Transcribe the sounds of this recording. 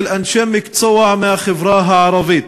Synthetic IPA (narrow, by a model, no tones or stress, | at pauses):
lʔanʃamːɪkt̪sˤɑwːɑʕmaxɪvɾɑːɦaʕɑɾˤɑviːt̪